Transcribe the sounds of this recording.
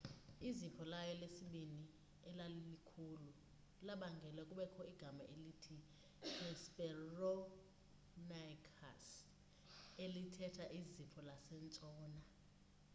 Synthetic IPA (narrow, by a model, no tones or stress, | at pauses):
izipʰɔlajɔlesiɓini | ɛlallikʰulu | laɓaŋɡʱɛlɛkʼuɓɛkʰɔiɡ̥ʱamaʔelitʰi | ɛspʼɛrɔ | nakʰa̰s | elitʰɛtʰaʔizipʰɔlasɛnt͡sʼɔːna